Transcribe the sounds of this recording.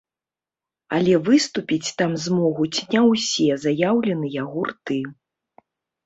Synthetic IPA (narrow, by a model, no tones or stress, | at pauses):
ɐ̰lʲɛvɨst̪upʲit͡sʲt̪amzmɔɣut͡sʲnʲɛwsʲɛzajawlʲɛnɨjaɣurt̪ɨ